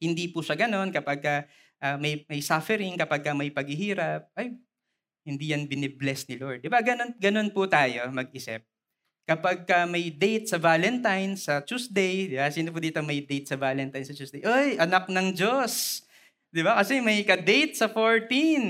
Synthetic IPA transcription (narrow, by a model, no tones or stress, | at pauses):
hɪnd̪iːpuʃɐɡɐno̞nkɐpaɡ̚kɐ | ʔɐmɐjmɐjsafɛɾɪŋkɐpaɡ̚kɐmɐjpɐɡhɪhiːɾɐp̚ʔɐj | hɪnd̪iːjɐnbɪnɛblɛsnɪloɹd̪̚ːɪbaɡɐnonɡɐno̞npʊt̪aːjo̞mɐɡ̚ʔɪsɛ̰p̚ | kɐpaɡ̚kɐmɐjd̪ejt̪̚sɐvaːlɛnt̪ajnsɐt͡ʃusd̪ejd̪ɪbasiːnop̬ʊd̪iːt̪omɐjd̪ejt̪̚sɐvaːlɛnt̪ajnsɐt͡ʃusd̪ejʔojʔɐnɐk̚nɐŋd͡ʒos | d̪ɪbakɐsɛmɐjkɐd̪ejt̪̚sɐfoɹt̪in